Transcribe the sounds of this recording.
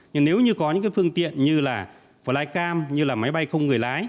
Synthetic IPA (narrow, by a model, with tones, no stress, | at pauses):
ɲɨ˧ŋne˨˦wɲɨ˧kɔ˨˦ɲɨ̰˧˥ŋkaː˨˦fɨ˧əŋt̪ḭ˧˨ənɲɨ˧laː˨˩ | vəː˨˩laː˨˧jkaː˧mɲɨ˧laː˨˩ma˨˦jɓa˧jxə˧wŋ͡mŋɨ˨˩əjlaː˨˦j